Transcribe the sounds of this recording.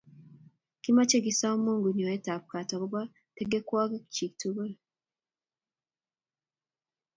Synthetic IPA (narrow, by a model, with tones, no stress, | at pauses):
kima˦t͡ʃe˦ɡi˨sa˦o˦muː˦ŋɡu˨ɲo˨je˦ta˨βu̥ka˨ta˨βuβa | teɡekwaː˦ke˦ku̥ci˨ktuβe